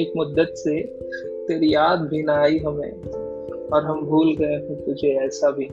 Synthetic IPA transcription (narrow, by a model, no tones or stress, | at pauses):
eːkmʊd̪ːət̪se | t̪eːɾijaːd̪bʱinaaːiɦɐmḛ̃ | ɔːɾɦɐmbʱuːlɡɐeɦũt̪ʊd͡ʒʱeɛːsabʱi